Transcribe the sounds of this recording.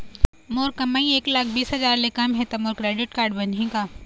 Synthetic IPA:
moːɾkɐmaːĩeːklaːk̚ʰbiːsɦɐzaːɾlekamɦet̪ɐmoːɾkɾeːɖɪʈkaːɾɖbɐnʱĩkaː

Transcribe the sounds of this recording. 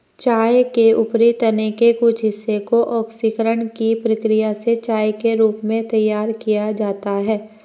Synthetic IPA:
t͡ʃaːjkeʊpɾit̪ənekekʊt͡ʃʰɦɪsːekoʔɔːksikəɾəɳkipɾəkɾɪjaset͡ʃaːjkeɾuːpmẽt̪ɐjːaːɾkijad͡ʒaːt̪aɦɛː

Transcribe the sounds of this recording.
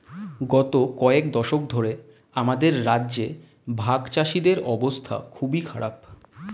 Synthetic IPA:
ɡɔt̪okɔekd̪ɔʃok̚d̪ʱoɾe | amad̪eɾːaːʑe | bʱaɡt͡ɕaʃid̪eɾɔbost̪ʰa̰kʰubikʰaɽa̰p

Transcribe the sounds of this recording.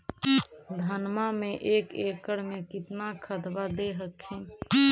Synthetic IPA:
d̪ʱənmamẽʔeːkeːkəɽmẽkɪt̪nakʰəd̪ʋad̪eɦəkʰːĩː

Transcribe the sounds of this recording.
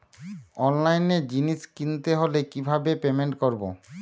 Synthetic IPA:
ɔnlajned͡ʑiniʃkint̪eɦolekibʱabepemeɳʈkoɾbo̰

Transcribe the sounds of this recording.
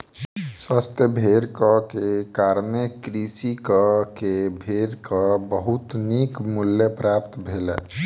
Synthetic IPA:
swast̪ʰjəbʱeɾkəkekaːɾnekɾisikəkebʱeɾkəbəɦut̪nikmuljəpɾaːp̚t̪bʱelɛ̰

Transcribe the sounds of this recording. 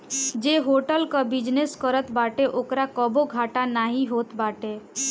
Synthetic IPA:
d͡ʒeɦoʈəlkəbid͡ʒneskəɾət̪baːʈeʔokɾakɔboɡʱaːʈanaːɦiɦoːt̪baːʈe

